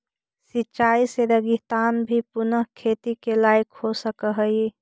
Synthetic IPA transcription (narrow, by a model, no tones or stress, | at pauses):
sit͡ʃaːiseɾəɡit̪aːnbʱipʊnəɦkʰeːt̪ikelaːɪkhosəkəɦəi